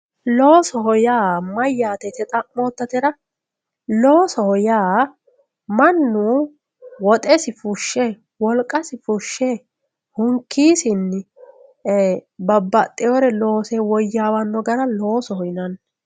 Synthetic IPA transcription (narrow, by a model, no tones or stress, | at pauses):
loːsɔhɔjaːmɐjːaːt̪ɛt̪ɛt̪ʼɐʔmoːt̪ːɐt̪ɛɾɐ | loːsɔhɔjaː | mɐnːuː | wɔt̪ʼɛsɪfʊʃːɛ | wɔlkʼːɐsɪfʊʃːɛ | hʊŋkʰːiːsɪnː | bɐbːɐt̪ʼːɛjɔɾɛlo̞ːsɛwɔjːaːwɐnːɔɡɐɾɐlo̞ːsɔhɔjnɐnː